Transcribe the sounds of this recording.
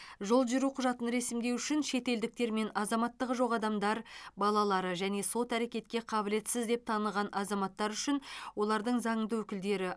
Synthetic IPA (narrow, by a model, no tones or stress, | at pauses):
ʒo̞lˠʒiɾuqʰʊʒɑt̪ənɾe̞sɪmd̪e̞wʏʃɪnʃe̞t̪e̞ld̪ɪk̚t̪e̞ɾme̞nɑzɑmɑt̪ːəʁəʒo̞ʁɑd̪ɑmd̪ɑɾbɑlˠɑlˠɑɾəʒæne̞so̞t̪æɾe̞kʲe̞t̪̚kʲe̞qʰɑbɪle̞t̪sɪzd̪e̞p̚t̪ʰɑnəlˠʁɑnʔɑzɑmɑt̪ːɑɾʏʃɪnwo̞lˠɑɾd̪əɴzɑɴənd̪əwɵkʲɪld̪e̞ɾɪ